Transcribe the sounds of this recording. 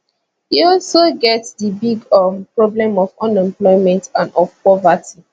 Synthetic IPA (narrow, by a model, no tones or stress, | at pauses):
hiɔlsoɡɛtsdəbiɡɔmpɹɔblɛ̃mɔvɔ̃nɛ̃mplɔɪmɛ̃ntãnɔfpɔvatʰi